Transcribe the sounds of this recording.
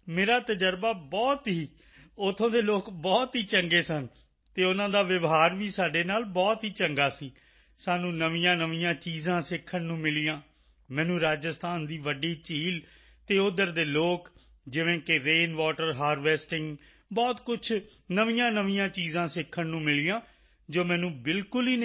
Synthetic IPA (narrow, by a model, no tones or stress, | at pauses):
meːɾaːt̪əd͡ʒəɾbaːbɔːt̪ɦiː | ʊt̪ʰːõːd̪eːloːkbɔːt̪ɦiːt͡ʃəŋɡeːsən | t̪eːʊnãːd̪aːʋɪʋɦaːɾʋiːsaːɖeːnaːlbɔːt̪ɦiːt͡ʃəŋɡaːsiː | saːnũːnəʋijãːnəʋijãːt͡ʃiːzãːsɪkʰːənnũːmɪlijãː | mɛ̃ːnũːɾaːd͡ʒəst̪aːnd̪iːʋəɖiːt͡ʃiːl | t̪eːʊd̪əɾd̪eːloːk | d͡ʒɪʋẽːkɪɾeːnʋɔːʈəɾɦaːɾʋɛːsʈɪŋɡ | bɔːt̪kʊt͡ʃʰ | nəʋijãːnəʋɪjãːt͡ʃiːzãːsɪkʰːənnũːmɪlijãː | d͡ʒoːmɛ̃ːnũːbɪlkʊliːn